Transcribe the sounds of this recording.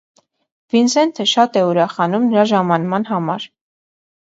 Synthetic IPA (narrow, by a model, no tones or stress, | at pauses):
vinsɛnt̪ʰəʃɑt̪ɛuɾɑχɑnumnəɾɑʒɑmɑnmɑnɦɑmɑɾ